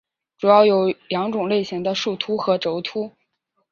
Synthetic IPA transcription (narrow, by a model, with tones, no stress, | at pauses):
ʈ͡ʂu˨˩jɑ˥˩ʊjo˨˧˥ʊljɑ˧˥ŋʈ͡ʂʊ˨˩ŋle˥˩ɪɕi˧˥ŋd̪ə˧ʂu˥˩t̪ʰu˥xɤ˧˥ʈ͡ʂo˧˥ʊt̪ʰu˥